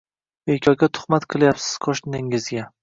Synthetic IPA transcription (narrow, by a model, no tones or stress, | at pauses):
bekʲʰɒɡʲat̪ʰʊ̥χmat̪qʰɨlˠjapsɪ̥z̥qʰɒʃnɪŋɪzɡʲa